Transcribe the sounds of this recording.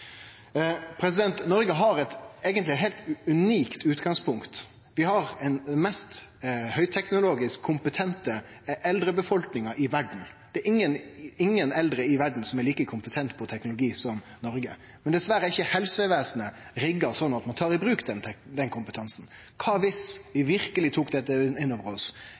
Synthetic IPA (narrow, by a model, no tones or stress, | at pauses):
pʰɾɛs̬ɪd̪ɛnt̪nɔɾɡəɦɑɾɛt̪eːɡənt̪lɪɦɛɪlt̪ʉniːkt̪ʉːt̪ɡɑŋspʰʊŋkt̪ | ʋɪhɑɾɛnd̪ɛmɛst̪hœʏt̪ʰɛknʊloːɡɪskʰːʊmpət̪ʰɛnt̪ə | ʔɛld̪ɾəbəfɔlknɪŋɑʔɪʋæɖɳ̩d̪̥ɛæɾɪŋːənɪŋːənɛld̪ɾəɪʋæɖɳ̩sɔmɛɾliːkəkʰʊmpət̪ʰɛnt̪pʰɔt̪ʰɛknʊlʊɡiːsɔm | nɔɾɡə̰ | mɛnd̪ɛsʋæɾəɪçːəhɛlsəʋeːsnəɾɪɡːəsɔnːɑt̪mɑnt̪ʰɑːɾɪbɾʉːkd̪ɛnd̪ɛnkʰʊmpət̪ʰɑnsn̩kʰɑːʋɪsʋɪʋɪɾkəlɪt̪ʰuːkd̪ɛt̪ːəɪnːoːʋəɾɔs